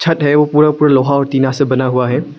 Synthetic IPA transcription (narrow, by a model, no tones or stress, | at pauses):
t͡ʃʰɐt̪ɦɛʋopuːɾapuːɾaloːɦaɔːɾt̪iːnasẽbɐnaɦuaɦɛː